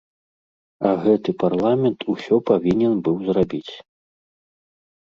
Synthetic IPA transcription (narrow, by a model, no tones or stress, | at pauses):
ɐɣɛt̪ɨparlˠamʲɛnt̪ʰusʲɔpavʲinʲɛnbɨwzrabʲit͡sʲ